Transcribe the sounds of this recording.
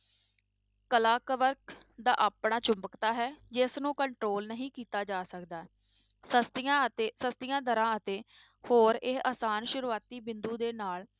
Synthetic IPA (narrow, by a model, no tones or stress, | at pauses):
kəlaːkəʋəɾkd̪a̰ːʔaːpɳaːt͡ʃʊmbəkt̪aːɦɛːd͡ʒɪsnũːkəɳʈɾoːlnəɦĩːkiːt̪aːd͡ʒaːsəkd̪aː | səst̪jãːt̪eːsəst̪ɪjãːd̪əɾãːət̪eː | hoːɾeaːsaːnʃʊɾuːaːt̪iːbɪnd̪uːd̪eːnaːl